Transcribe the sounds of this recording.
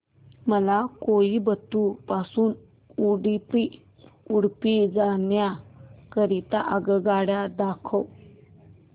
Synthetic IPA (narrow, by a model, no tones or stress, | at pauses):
məlakojibət̪ːupasuːn | uɽipi | uɽpid͡zanjakəɾit̪aʔəɡəɡaɽjad̪akʰəw